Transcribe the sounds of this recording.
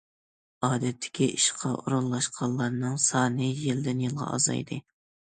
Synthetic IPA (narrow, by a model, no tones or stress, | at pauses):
ɑːd̪ɛt̪ʰːɪ̥kʲiʔiʃqʰɑʔuɾunlˠɑʃqʰɑllˠːɑɾnɨŋsɑːnɨjild̪ɪnjɨlˠʁɑ̰ɑ̰zɑ̰jd̪ɨ